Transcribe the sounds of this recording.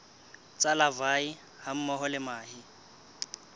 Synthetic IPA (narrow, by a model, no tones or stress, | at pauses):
t͡sʼalavai | ham̩mɔɦɔlɪmaːɦɪ